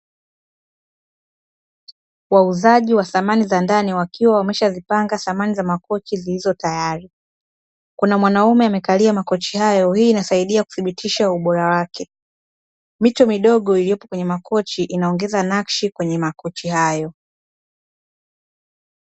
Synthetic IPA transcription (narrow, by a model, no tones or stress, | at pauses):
wauzaʄiwaθamanizandaniwakiwawamɛʃazipaŋɡaθamanizamakɔt͡ʃizilizɔtajaɾi | kunamwanaumɛamɛkaliamakɔt͡ʃihajɔhiːnasaiɗiaku̥θiɓitʰiʃauɓɔɾawakɛ | mitɔmiɗɔɠɔilijɔpɔkwɛɲɛmakɔt͡ʃiʔinaɔŋɡɛzanakʃikwɛɲɛmakɔt͡ʃihajɔ